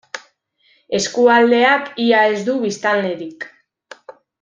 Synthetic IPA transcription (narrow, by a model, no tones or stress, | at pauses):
e̞skuald̪e̞akiae̞zd̪uβist̪alne̞ɾik